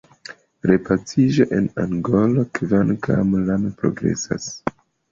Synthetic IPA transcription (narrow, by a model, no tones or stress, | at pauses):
ɾepat͡sid͡ʒoʔe̞naŋɡo̞lokvankʰamlanpɾo̞̰ɡɾe̞̰sa̰s